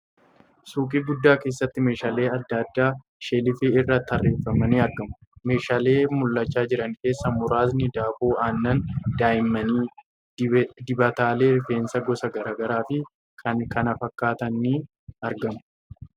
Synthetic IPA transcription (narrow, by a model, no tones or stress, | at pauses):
suːkʼiːɡʊd̪ːaːke̞ːsːɐt̪ːɪme̞ːʃaːle̞ːɐd̪ːɐd̪ːaː | ʃeːlɪfeɪrːɐt̪ːɐrːe̞ːfːɐmɐniːɐɾɡɐmʊ̥me̞ːʃaːle̞ːmʊlːɐt͡ʃːaːd͡ʒɪɾɐŋke̞ːsːɐmʊɾaːznɪd̪aːboːaːnːɐnd̪̥aːjɪmːɐniː | d̪ɪbɐt̪aːle̞ːɾɪfe̞ːnsɐɡɔsɐɡɐɾaːɡɐɾaːfɪ | kʰɐkɐnɐfɐkːaːt̪ɐnːi | ɐɾɡɐmʊ̥